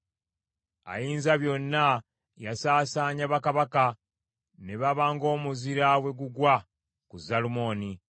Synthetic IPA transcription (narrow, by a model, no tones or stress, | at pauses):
a̰jiːnzaβjo̞nːa | jasaːsaːɲaβakaβaka | ne̞βaβaːŋɡo̞ːmuziɾawe̞ɡuɡwa | kuzalumo̞ːni